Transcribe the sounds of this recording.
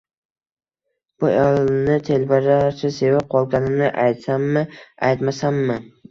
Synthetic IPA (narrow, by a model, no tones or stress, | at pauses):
b̥ʊalnɪt̪ʰelbaɾaɾsʰɪse̞vap̚qʰɒlˠɡʲanɪmnɪʔajt̪samːɪajt̪masamːɪ